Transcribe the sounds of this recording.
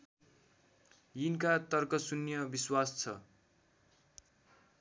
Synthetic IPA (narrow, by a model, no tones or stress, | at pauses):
jinkat̪ʌrkʌsunjʌbiswast͡sʰʌ